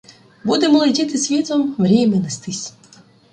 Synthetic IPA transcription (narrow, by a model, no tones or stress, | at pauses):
bud̪emɔlˠɔdʲit̪ɪsʲʋʲit̪ɔmʋɾʲimʲɛnest̪ɪsʲ